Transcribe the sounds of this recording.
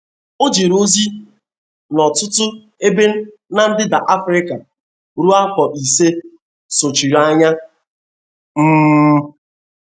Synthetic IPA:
o˦d͡ʒe˨ɾo˦zi˦ | nɔ˨tʊ˦tʊ˦ | e˦be˦n̩˦ | na˨n̩˦dɪ˦da˨ʔa˦fɾɪ˦ka˨ | ɾu˦a˦kɔ˨ʔi˨se˦ | so˨t͡ʃi˨ɾa˦ɲa˦ | m̩˦

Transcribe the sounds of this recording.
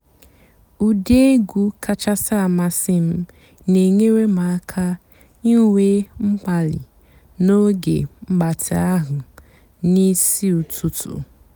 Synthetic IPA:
u˨de˦ɡʷu˦kʰa˦t͡ʃa˦sa˦a˨ma˦sɪ˦m̩˦ | ne˨ŋe˦ɾe˦ma˨a˦kʰa˦ | i˦we˦ŋ͡m̩˦k͡pa˨lɪ̰˨ | no˦ɡḛ˨m̩˦ɡ͡ba˨tʰɪ˨a˦ɦʊ˨ | ni˦si˦u˨tu˨tṵ˨

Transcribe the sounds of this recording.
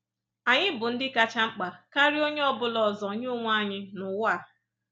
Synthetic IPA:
a˨ɲɪ˦bʊ˨n̩˦dɪ˦ka˦t͡ʃa˦ŋ͡m̩˦k͡pa˨ka˦ɾi˦o˦ɲe˦ɔ˦bʊ˦lɔ˨zɔ˨ɲ˦o˦ŋʷ˦a˦ɲɪ˦nʊ˨wa˦˨

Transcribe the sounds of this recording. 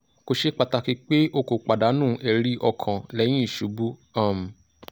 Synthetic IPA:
ko˧ʃe˦k͡pa˧ta˧ki˧˦k͡pe˦ʔo˧ko˨k͡pa˨da˨˦nũ˦˨˦ʔɛ˧ɾi˧˦ʔɔ˧kʰã˨lɛ˨˦j̃ĩ˦i˦˨ʃu˨˦bu˦ã˦˨m˨

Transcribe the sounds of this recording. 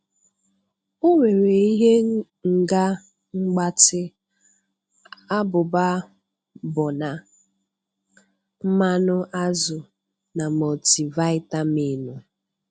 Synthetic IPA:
ʊ˦ŋʷe˨ɾe˨i˦ɦe˦ | ŋ̩˨ɡa˦ | ŋ͡m̩˦ɡ͡ba˦tɪ˦ | a˦bʊ˨ba˦ | bʊ˨na˨ | m̩˦ma˦nʊ˦ʔa˦zʊ˨ | na˨mo˨ti˨va˦ɪ˦ta˦mi˦˨nu˨

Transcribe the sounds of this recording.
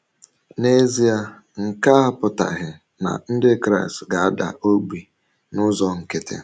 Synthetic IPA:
ne˦zi˦a˦ | ŋ̩˨ka˦a˦pʊ˨ta̰˨ɦɪ˨ | na̰˨n̩˦dɪ˦kɾa˦˨stɡa˨a˦da̰˨ʔo˦ɡ͡bi˨ | nʊ˦zɔ˨ŋ̩˨ke˨tʰḛ˨

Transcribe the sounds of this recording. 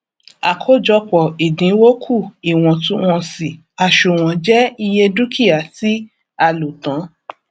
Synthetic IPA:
a˨kʰo˨˦d͡ʒɔ˧k͡pɔ˨i˨dĩ˨˦wo˦kʰu˦˨i˨w̃ɔ̃˨tũ˦w̃ɔ̃˧si˨ | a˧˨ʃu˨w̃ɔ̃˨˦d͡ʒɛ˦i˧je˧du˦kʰi˦a˨ti˦ | a˧lo˨tã˨˦

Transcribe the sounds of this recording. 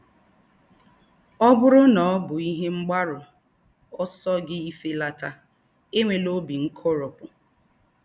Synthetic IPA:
ɔ˦bʊ˦ɾʊ˦nɔ˨ɔ˦bʊ˨i˦ɦe˦ŋ͡m̩˦ɡ͡ba˦ɾʊ˨ | ɔ˦sɔ˦ɡɪ˦i˦fe˦la˦ta˦ | e˦ŋʷe˨lo˦bi˨ŋ̩˦kʰo˦ɾʊ˨pʊ˨

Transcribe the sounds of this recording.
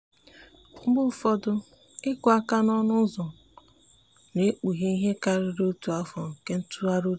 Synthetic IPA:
ŋ͡m̩˦ɡ͡bʊ˦˨fɔ˦dʊ˦ | ɪ˦kʊ˨˦a˦ka˦nɔ˦nʊ˦zɔ˨ | ne˦k͡pu˨ɦe˦i˦ɦe˦ka˨ɾɪ˨ɾo˦tu˨a˦fɔ˨ŋ̩˨ke˦n̩˦tu˦a˦ɾo˦

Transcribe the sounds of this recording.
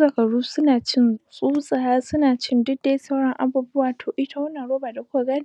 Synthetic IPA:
sʼɐ˨kɐ˨ɽuː˦sʊ˦naː˨t͡ʃɪ˦nsʼuː˦sʼa˨haː˦sʊ˦naː˨t͡ʃɪ˦ndʊ˦da˦jsa˦wɽɐ˦ŋʔa˨buː˦bʊ˦waː˨tʰoː˨ʔɪ˦tʰa˦wɐ˦nːɐ˨nɽoː˦baː˨da˨kʷa˦˨ɡaː˦n˦˨

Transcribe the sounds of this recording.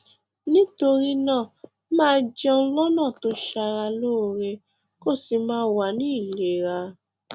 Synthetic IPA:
nĩ˦to˧ɾi˦nãː˦˨ | mãː˦d͡ʒɛ˦ɔ̃˧˦lɔ˦nãː˦˨to˦ʃa˧ɾa˧lo˦˧ɾe˧ | ko˦˨si˧mãː˦wa˧nĩ˦i˦˨le˨ɾa˧

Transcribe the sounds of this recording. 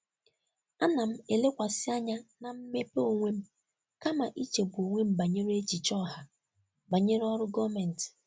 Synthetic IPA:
a˦na˨m̩˦e˨le˦kʷa˨sɪ˦a˦ɲa˦na˨m̩˦me˦po˨ŋʷe˦m̩˦ | ka˦ma˨ʔi˦t͡ʃe˨bo˨ŋʷe˦m̩˦ba˨ɲe˦ɾe˦t͡ʃi˨t͡ʃɔ˦˨ɦa˨ | ba˨ɲe˦ɾɔ˦ɾʊ˦ɡɔ˦mɛ˨n̩˨t

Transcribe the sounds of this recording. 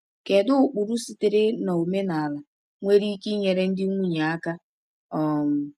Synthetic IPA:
ke˨dʊ˦ʊ˨k͡pu˨ɾu˦si˨˦tɪ˨ɾɪ˦na˨o˨me˦na˨a˨la˨ | ŋʷe˦ɾi˦ki˦ɲe˨ɾe˦n̩˦dɪ˦ŋʷu˦ɲe˨a˦ka˦ | ɔ˨m̩˨

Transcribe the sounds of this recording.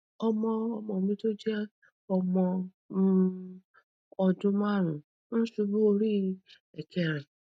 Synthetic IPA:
ɔ˧mɔ̃˧ɔ˧mɔ̃˧˨o˨mĩ˧˦to˦d͡ʒɛ˦ | ɔ˧mɔ̃˧˦ | ɔ˧d͡ʒũ˦mã˦˨ɾ̃ũ˨ | ñ̩˦su˧bu˦o˧ɾi˦ | ɛ˨kʰɛ˧˨ɾɛ˨

